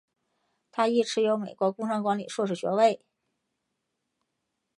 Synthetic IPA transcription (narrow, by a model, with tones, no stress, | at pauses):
t̪ʰa˥i˥˩ʈ͡ʂʰɻ̩˧˥jo˧˥ʊme˨˩ɪkwɔ˧˥kʊ˥ŋʂɑ˥ŋkwa˧˥nli˨˩ʂwɔ˥˧ʂ̬ɻ̩˥˩ɕɥɛ̰˧˥we˥˩ɪ